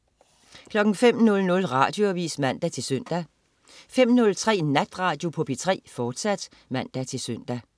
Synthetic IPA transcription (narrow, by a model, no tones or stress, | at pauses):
kʰlɒ̽ɡ̥ŋ̩fem̰nɔ̽lnɔ̽lʁɑ̈ːd̥jo̝æʋḭːsmæn̰d̥æt͡sʰe̝lsœn̰d̥æ | fem̰nɔ̽lt͡sʰʁɛ̰ːnæd̥ʁɑ̈ːd̥jo̝pʰɔ̽b̥it͡sʰʁɛ̰ːfɒːd̥sæd̥ | mæn̰d̥æt͡sʰe̝lsøn̰d̥æ